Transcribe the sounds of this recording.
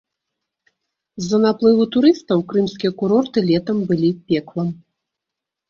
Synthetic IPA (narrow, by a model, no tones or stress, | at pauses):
zːɐnaplˠɨvut̪uɾɨst̪ɐwkɾɨmsʲkʲijɛkuɾɔrt̪ɨlʲɛt̪ɐmbɨlʲipʲɛklˠɐm